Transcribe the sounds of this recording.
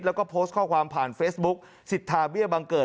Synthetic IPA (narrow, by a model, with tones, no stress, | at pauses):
lɛ˦˥wkɔː˥˩pʰoː˦˥st̪̚kʰɔː˥˩kʰwaː˧mpʰaː˨˩nfeː˦˥sbu˦˥k̚ | si˨˩t̪ʰːaː˧bi˥˩əbaː˧ŋkɤː˨˩